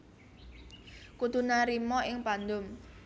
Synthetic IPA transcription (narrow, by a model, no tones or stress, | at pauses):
kud̪ṳnaɾimɔɪŋpand̪ʊm